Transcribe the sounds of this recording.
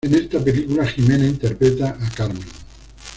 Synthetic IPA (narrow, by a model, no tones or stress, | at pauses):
enest̪apelikulaximenaint̪eɾpɾet̪aʔːkaɾmen